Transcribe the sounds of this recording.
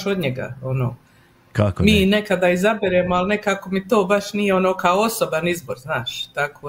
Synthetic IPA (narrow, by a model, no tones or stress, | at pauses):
ʃod̪ɲeɡa̰onoː | kakmiːne̞kad̪aːizabeɾeːmoalne̞kaːko̞mit̪oːbaʃnijeonoːkaoosobanizboɾznaːʃt̪akoː